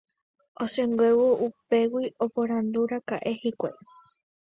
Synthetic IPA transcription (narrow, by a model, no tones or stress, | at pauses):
osẽŋɡwewoʔupe̞wio̞poɾãnd̪uɾakaʔe̞hikʷa̰j